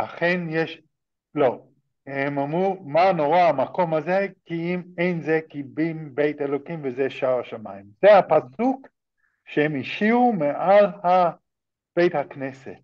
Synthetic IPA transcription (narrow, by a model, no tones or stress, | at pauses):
laχenjeʃ | lo̞ | hemamʁumano̞ʁaamako̞mazekiimejnzekibimbe̞jtelo̞kimvezeʃaʁaʃama̰imzehapasuk | ʃehemiʃiumeʔalha | b̥e̞jthakne̞se̞̰t